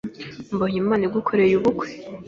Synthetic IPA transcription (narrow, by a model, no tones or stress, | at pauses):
mboɲimaːniɡukʰoɾejuβukwe̥